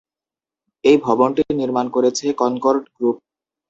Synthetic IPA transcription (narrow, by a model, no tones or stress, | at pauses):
ejbʱɔbonʈiniɾmankoɾet͡ɕʰekɔnkoɾɖɡɾup̚